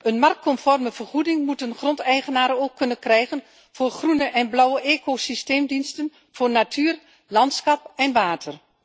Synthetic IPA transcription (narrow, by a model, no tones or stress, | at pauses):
ʔənmɑrk̚kɔnfɔrməv̥ərχudɪŋmutənχrɔntɛjχənaːɾəoːkʰːɵnənkrɛjχən | v̥oːrχrunəʔɛnblʌwəʔeːkosisteːmdinstən | v̥ʊːrnatʰyːr | lɑntsχɑpɛnʋaːtʰər